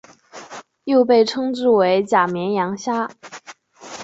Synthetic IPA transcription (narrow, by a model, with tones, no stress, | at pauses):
jo˥˧ʊpe˥˩ɪʈ͡ʂʰɤ˥ŋʈ͡ʂɻ̩˥˩we˧˥ɪt͡ɕja˨˩mjɛ˧˥njɑ˧˥ŋɕja˥